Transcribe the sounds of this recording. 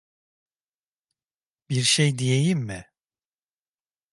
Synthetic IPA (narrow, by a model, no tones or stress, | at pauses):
b̥iɾʃejd̪ijejimːɪ